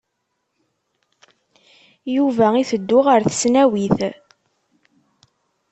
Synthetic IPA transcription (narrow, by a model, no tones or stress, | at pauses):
juvæiθəd̪ːʊʁəɾθə̥snæwiθ